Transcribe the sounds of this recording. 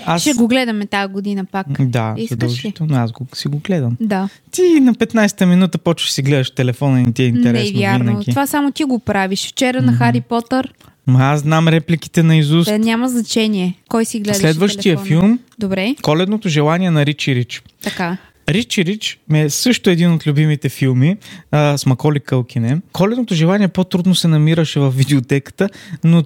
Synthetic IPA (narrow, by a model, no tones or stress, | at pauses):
asʃɛɡoɡlɛd̪ɐmɛt̪aɡod̪inəpakd̪a̰zɐd̪ɐlˠʒit̪ɛlˠnoasɡosiɡoɡlɛd̪ɐmd̪a | t̪inɐpɛt̪najsɛ̥t̪əminut̪əpɔt͡ʃɛsiɡlɛd̪ɐʃt̪ɛlɛfɔnɐnit̪iɛinnɛɾɛsvjaɾnɐokt̪iovasamot̪iɡopɾaviʃft͡ʃɛɾənɐxaɾipɔt̪əɾ | mɐasznamɾɛpliki̥t̪ɛnɐizusnʲamɐznɐt͡ʃɛniɛkɔjsiɡlɛsd̪lɛd̪vəʃt̪ijəfilˠmd̪obɾɛkɔlɛd̪not̪oʒɛlˠaniɛnɐɾit͡ʃiɾit͡ʃt̪ɐka | ɾit͡ʃiɾit͡ʃmɛsɤʃt̪oɛd̪inot̪lʲubimit̪ɛfilˠmismɐkɔlikəlˠkʰʲinɛkʰɔlɛd̪not̪oʒɛlˠaniɛpot̪ɾud̪nosɛnɐmiɾəʃɛvɐfvːid̪ɛot̪ɛkə̥t̪əno